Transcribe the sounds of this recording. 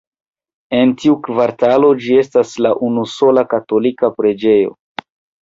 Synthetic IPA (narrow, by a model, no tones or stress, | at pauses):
e̞ntiukvaɾtalo̞d͡ʒie̞staslaʔunuso̞lakato̞likapɾe̞d͡ʒe̞jo̞̰